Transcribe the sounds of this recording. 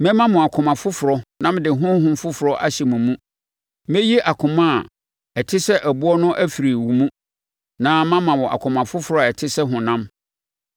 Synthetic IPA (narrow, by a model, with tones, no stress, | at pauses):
mɛ̃˦mã˦mʊ̃˨a˨kʰʊ˨mã˨fʊ˦fʊ˨ɾɔ˦nã˦mdɪ˨ɦʊ̃˦ɦʊ̃˦m̩˦fʊ˦fʊ˨ɾɔ˦ʔa̰˦ɕɛ˨mũ˨mũ˦ | mɛ̃˦ji˦ʔa˨kʰʊ̃˨mã˦a˨ | ɛ˨tʰɪ˦sɛ˦ʔæ˨bʊ˦ɔ˦nʊ̃˦ʔæ˦fi˨ɾi˨wu˨mũ˦ | nãː˦mã˦mã˨wɔ̃˨ʔa̰˨kʰʊ̃˨mã˨fʊ˦fʊ˨ɾɔ˦a˨ɛ˨tʰɪ˦sɛ˦ɦʊ̃˨nã˦m